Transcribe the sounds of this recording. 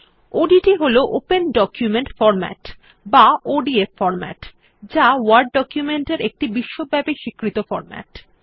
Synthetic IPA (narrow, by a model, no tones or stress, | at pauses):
oɖiʈiɦoloʔopenɖɔkjumeɳʈfɔɾmɛ̰ʈ | baoɖiefːɔɾmɛ̰ʈ | d͡ʑawaɾɖːɔkjumeɳʈeɾek̚ʈibiʃːobʱɛbeʃikɾit̪ofɔ̰ɾmɛ̰ʈ